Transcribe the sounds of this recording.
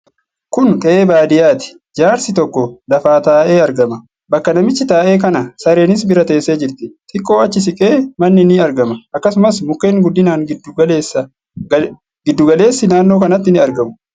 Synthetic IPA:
kʊnkʼɐʔeːbaːd̪ɪjaːt̪ɪ̥ | d͡ʒaːɾsɪt̪ɔkːɔlɐfaːt̪aːʔeːɐɾɡɐmɐ | bɐkːɐnɐmɪt͡ʃːɪt̪aːʔe̞ːkɐnɐsɐɾe̞ːnɪs̬bɪɾɐt̪e̞ːsːe̞ːd͡ʒɪɾt̪ɪt̪ʼɪkʼːo̞ːɐt͡ʃːɪs̬ɪkʼe̞ːmɐnːɪnɪɐɾɡɐmɐʔɐkːɐsʊmɐsmʊkːe̞ːnɡʊd̪ːɪnaːŋɡɪd̪ɐleːs | ɡɪd̪ːʊɡɐle̞ːsːɪnaːnːo̞ːkɐnɐt̪ːɪnɪɐɾɡɐmʊ̥

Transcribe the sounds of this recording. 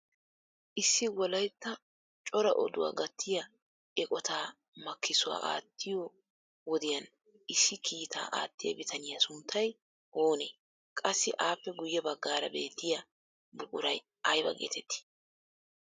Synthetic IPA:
ʔɪsːɪwɔlɐjt̪ːɐ | t͡ʃʼɔɾɐ̰ʔɔd̪ʊwa̰ːɡɐt̪ʰːɪjɐ | ʔɛkʼɔt̪aː | mɐkʰːɪsʊwa̰ːʔa̰ːt̪ːɪjo | wɔd̪ɪjɐn | ʔɪsːɪkʰiːt̪ʰa̰ːʔa̰ːt̪ːɪjɐ̰bɪt̪ʰɐnɪjɐsʊnt̪ʰːɐj | ʔoːneː | kʼɐsːɪʔaːpːɛɡʊjːɛbɐɡːaːɾɐbe̞ːt̪ːɪjɐ | bʊkʼʊɾɐj | ɐjbɐ̰ɡḛːt̪ʰɛt̪ːɪ̥

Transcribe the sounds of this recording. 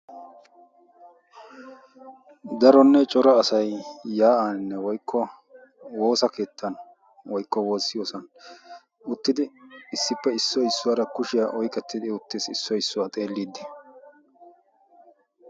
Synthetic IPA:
d̪ɐɾɔnːɛt͡ʃʼɔɾɐːsɐjːaːʔanːɛwɔjkʰːɔ | wo̞ːsɐkʰe̞ːt̪ːɐn | wɔjkːɔwoːsːɪjoːsɐn | ʊt̪ːɪd̪ɪɪsːɪpːɛɪsːɔɪsːʊwaːɾɐkʊʃɪjɐʔɔjkʼɛt̪ːɪd̪ɪʊt̪ːesɪsːɔɪsːʊwat̪ʼeːlːiːd̪ːɪ

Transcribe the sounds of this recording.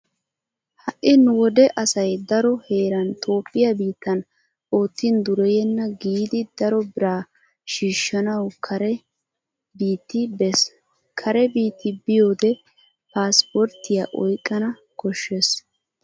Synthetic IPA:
hɐʔɪnʊwɔd̪ɛʔɐsɐjd̪ɐɾɔhe̞ːɾɐnt̪ʰo̞ːpʼːɪjɐbiːt̪ːɐn | o̞ːt̪ːɪnd̪ʊɾɛjɛnːɐɡiːd̪ɪd̪̥ɐɾɔbɪɾaː | ʃiːʃːɐnɐwkʰɐɾɛ | biːt̪ːɪbɛs | kʰɐɾɛbiːt̪ːɪbɪjoːd̪ɛ | paːspɔɾt̪ːɪjaːʔɔjkʼːɐnɐ | kɔʃːes

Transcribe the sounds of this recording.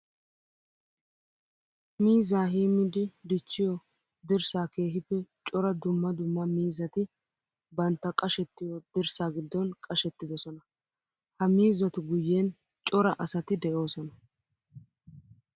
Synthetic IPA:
miːzaːɦiːmːɪd̪ɪd̪ɪt͡ʃːɪjɔ | d̪ɪɾsaːke̞ːɦɪpːɛt͡ʃʼɔɾɐd̪ʊmːɐd̪ʊmːɐmiːzɐt̪ɪ | bɐnt̪ːɐkʼɐʃɛt̪ːɪjɔd̪̥ɪɾsaːɡɪd̪ːɔnkʼɐʃɛt̪ːɪd̪ɔsɔnɐ | hɐmiːzɐt̪ʊɡʊjːe̞ːn | t͡ʃʼɔɾɐʔɐsɐt̪ɪd̪ɛʔo̞ːsɔnɐ

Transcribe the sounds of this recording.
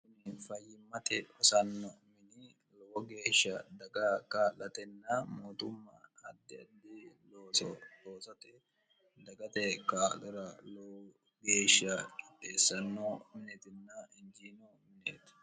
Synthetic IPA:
kʊnɪfɐjːɪmːɐt̪ɛɔsɐnːɔmɪni | lɔwɔɡe̞ːʃːɐd̪ɐɡɐkaːlɐt̪ɛnːɐmoːt̪ʊmːɐ̰ɐd̪ːɪɐd̪ːiloːsɔloːsɐt̪ɛ | d̪ɐɡɐt̪ɛkaːlɔɾɐlɔ | ɡe̞ːʃːɐkʼɪpʼːeːsːɐnːɔmɪnɛt̪ɪnːɐɪnd͡ʒiːnɔ | mɪneːt̪

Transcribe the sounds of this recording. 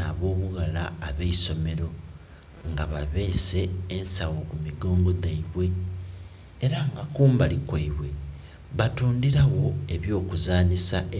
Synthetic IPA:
aβo̞ːβuɣalaːβeiso̞me̞ɾo̞ | ŋɡaβa̰βe̞ːse̞ːnsawokumiɡo̞ːŋɡo̞daiβwe̞ | ɾaŋɡakuːmbalikwaiβwe̞ | βatuːndiɾaɣo̞e̞βjo̞ːkuzaːnisa

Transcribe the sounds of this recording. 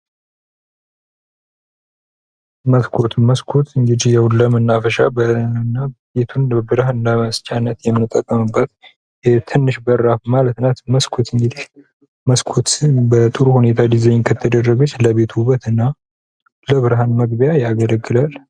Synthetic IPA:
məskʰo̞t̪məskʰot̪ʰɨŋɡɨd̪ihjɛwləmɨnːafəʃabənːabe̞t̪ʰunbɨɾahɨnːaməst͡ʃʼanːət̪jɛmːɨnɨt̪ʼːəkʼːəmɨbːət̪ | jɛt̪ʰɨnːɨʃbəɾːafmalət̪nat̪məskʰo̞t̪ɨŋɡɨd̪ih | məskʰot̪bət̪ʼɨɾuhune̞t̪ʰad̪izeɲnkʰət̪ʰəd̪ərːəɡut͡ʃːləβe̞t̪ʰuβət̪ɨnːa | ləβɨɾɦanməɡ̚bjajaɡələɡːɨlal

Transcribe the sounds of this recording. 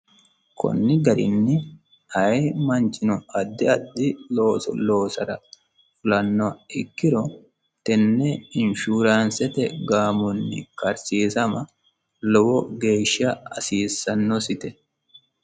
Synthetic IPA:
kʰɔ̰nːɪɡɐɾɪ̰nːɪ | hɐjmɐnt͡ʃɪnɔʔɐd̪ːɪɐd̪ːɪloːsɔ̰lo̞ːsɐɾɐ | fʊlɐnːɔɪkːɪɾɔ | t̪ɛnːɛɪnʃuːɾaːnsɛt̪ɛɡaːmɔnːɪ̰kɐɾsiːsɐmɐ | lɔwɔɡe̞ːʃːɐɐ̰siːsːɐnːɔsɪt̪ɛ

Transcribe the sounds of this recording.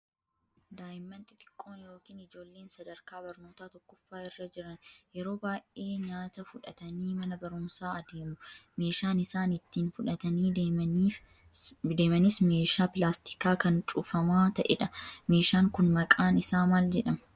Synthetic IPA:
d̪aːjɪmːɐnt̪ɪt̪ɪ̥kʼːo̞ːnjo̞ːkiːnɪd͡ʒo̞ːlːe̞ːnsɐd̪ɐɾkaːbɐɾno̞ːt̪aːt̪ɔkːʊfːaːɪrːɐd͡ʒɪɾɐnjɛɾo̞ːbaːjʔʔe̞ːɲaːt̪ɐfʊᶑɐt̪ɐniːmɐnɐbɐɾʊmsaːɐd̪eːmʊme̞ːʃaːnɪsaːnɪt̪ːiːnfʊᶑɐt̪ɐniː | d̪e̞ːmɐnɪsme̞ːʃaːpɪlaːst̪ɪ̥kaːkɐnt͡ʃʼʊfɐmaːt̪ɐʔɛ̰ᶑɐme̞ːʃaːŋkʊnmɐkʼaːnɪsaːmaːld͡ʒɛᶑɐm

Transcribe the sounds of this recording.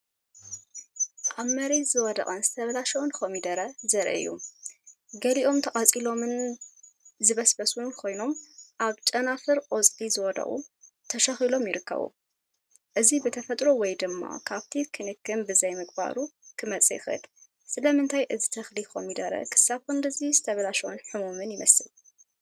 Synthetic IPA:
ʔaβmɐɾet̪zɨwɔd̪ɐ̰kʼɐnzɨt̪ʰɐβɐlaʃɐwnxomid̪ɐɾɐzɐɾʔɨ̰jːṵ | ɡɐliʔo̞mt̪ʰɐqʼɐt͡sʼilo̞mɨn | zɨβɐsbɐsunkʰo̞jno̞mʔaβt͡ʃʼɐnafɨɾʔʼot͡sʼt̪ʼizɨwɔd̪ɐ̰χʼṵ | t̪ʰɐʃɐxilo̞mjɪɾɨkʰːɐ̰βṵ | ʔɨzibɨt̪ʰɐfɐt̪ʼɾowɔjd̪ɨmːa̰kʰaβt̪ʰikʰɨnɨkʰɨnbɨzɐjmɨkʼba̰ɾukʰɨmɐt͡sʼɐjɪxɨ̰l | sɨlɐmɨnt̪ʰajʔɨzit̪ʰɐxlixo̰mid̪ɐɾɐ̰kʰɨ̥saβkɨnd̪ɨzizɨt̪ʰɐβɐlaʃɐwɨnħɨmumɨnjɪmɐsɨl

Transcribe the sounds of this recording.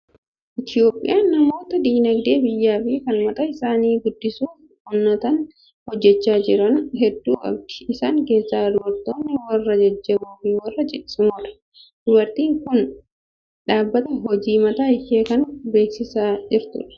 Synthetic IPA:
ʔɪt̪ɪo̞ːpʼːɪ̰jaːnɐmo̞ːt̪ɐd̪iːnɐɡd̪e̞ːbɪjːaːfɪkɐnmɐt̪ɐɪsaːniːɡʊd̪ːɪsuːf | hʊnːɐt̪ɐn | hɔd͡ʒːɛt͡ʃːaːd͡ʒɪɾɐnɦɛd̪ːuːɐ̰b̚d̪ɪ̥ɪsaːŋke̞ːsːaːd̪ʊwɐɾt̪oːnːɪwɐrːɐd͡ʒɐd͡ʒːɐbuːfiwɐrːɐd͡ʒɛʔɪ̥sɪmoːᶑɐ̥ | d̪ʊwɐɾt̪iːŋkʊn | ᶑaːbːɐt̪ɐɦɔd͡ʒiːmɐt̪aːɪjeːkɐnbe̞ːksɪsaːd͡ʒɪɾt̪ʊ̰ᶑɐ̥

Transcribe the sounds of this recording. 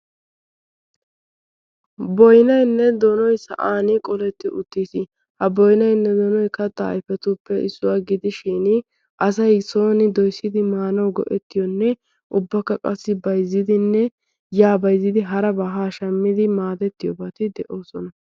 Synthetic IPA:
bɔjnɐjnːɛd̪ɔnɔjsɐ̰ʔaːnɪkʼɔlɛt̪ːɪʔʊt̪ːiːsɪ | hɐbɔjnɐjnːɛd̪ɔnɔjkɐt̪ːɐ̰ːjfɛt̪uːpːɛɪsːʊwaːɡɪd̪ɪʃiːn | ʔɐsɐjso̞ːnɪd̪ɔjsːɪd̪ɪmaːnɐwɡɔ̰ʔɛt̪ːɪjɔnːɛ | ʔʊbːɐkːɐkʼɐsːɪbɐjzːɪd̪ɪnːɛ | jaːbɐjzːɪd̪ɪɦɐɾɐbɐɦaːʃɐmːɪd̪ɪmaːd̪ɛt̪ːɪjɔbɐt̪ɪd̪ɛʔo̞ːsɔnɐ

